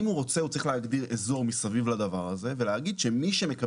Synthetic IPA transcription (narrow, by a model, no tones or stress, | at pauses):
imuʁo̞t͡se̞ut͡sʁiχleaɡd̪iʁezo̞ʁmisavivlad̪avaʁaze̞ve̞leaɡid̪ʃemiʃeme̞ka